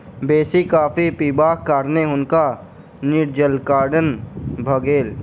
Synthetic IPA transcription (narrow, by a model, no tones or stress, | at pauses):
beːsikaːpʰipiːbaːkkaːɾneɦʊnka | nɪɾd͡ʒəlkaːɾɖənbʱəɡeːl